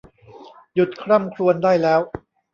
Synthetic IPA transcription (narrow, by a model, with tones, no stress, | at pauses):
ju˨˩t̪̚kʰɾa˥˩mkʰɾu˧əndaː˥˩jlɛː˦˥w